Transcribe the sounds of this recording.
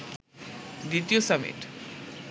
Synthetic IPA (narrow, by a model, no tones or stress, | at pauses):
d̪it̪iosəmḭʈ